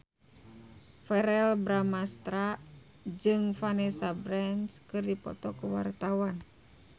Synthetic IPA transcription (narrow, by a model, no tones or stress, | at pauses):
fɛɾɛlbɾamast̪ɾa | d͡ʒɨŋfanɛsabɾɛnskɨrdipɔ̰t̪ɔkuwa̰rt̪awan